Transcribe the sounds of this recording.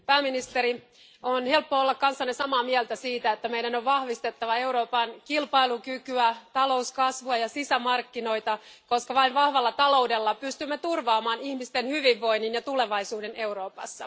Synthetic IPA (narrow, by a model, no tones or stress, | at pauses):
pæːminist̪eɾi | onhe̞lpːoolːɑkkɑnsːɑnːesɑmɑːmiɛlt̪æsiːt̪æet̪ːæmeijdænoʋʋɑhʋist̪e̞t̪ːɑʋɑeuɾo̞ːpɑnkilpɑilukykyæt̪ɑlo̞uskɑsʋuɑjɑsisæmɑrkːino̞it̪ɑ | koskɑʋɑiʋʋɑhʋɑlːɑt̪ɑlo̞udelːɑpyst̪ymːet̪urʋɑːmɑːnihmist̪enhyʋiʋːo̞inːinjɑt̪uleʋɑisuːdene̞uɾo̞ːpɑ̰sːɑ